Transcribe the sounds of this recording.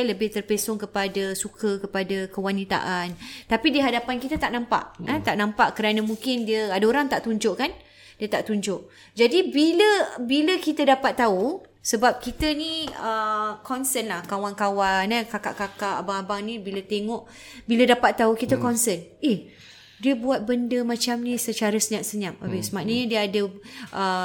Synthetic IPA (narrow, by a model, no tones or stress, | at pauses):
ləbɪht̪ərpesɔŋkəpadəsukəkəpadakəwanit̪a̰ʔant̪apidiɦadapankit̪ət̪aʔnãmpa̰ʔət̪aʔnãmpaʔkəɾanãmũŋkɪndiəadaoɾaŋt̪aʔt̪uɲd͡ʒʊʔkan | diət̪aʔt̪uɲd͡ʒʊʔ | d͡ʒadibiləbiləkit̪ədapat̪ːau | səbap̚kit̪əniəkɔnsənlahkawankawanəkaka̰ʔkakaʔabaŋabaŋnĩbilət̪eŋɔʔ | bilədapat̪ːaukit̪əkɔnsəneh | diəbuat̪̚bəndəmãt͡ʃamnĩsət͡ʃaɾəsəɲãʔsəɲamabəsəmaʔnəɲə̃diəadəʔə